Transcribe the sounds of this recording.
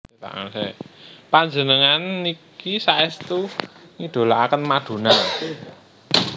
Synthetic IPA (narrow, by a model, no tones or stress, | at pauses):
t̪a̰ʔa̰sepaɲd͡ʒənəŋanikisaɛst̪uŋid̪̥o̤laakənmaɖ̪̥o̤na